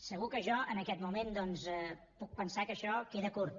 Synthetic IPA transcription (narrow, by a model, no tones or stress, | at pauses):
səɣ̞ukəʒɔənəkɛt̪mumend̪ɔnzɛ | puk̚pənsakəʃɔkeðəkurt̪